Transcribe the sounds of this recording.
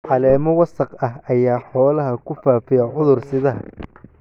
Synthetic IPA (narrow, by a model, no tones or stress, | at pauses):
ʕɑlɛːmɔwɐsɐqɐɦɐjaːħɔːlɐɦɐkʰʊfaːfɪjɐʕʊðʊrsɪðɐɦɐ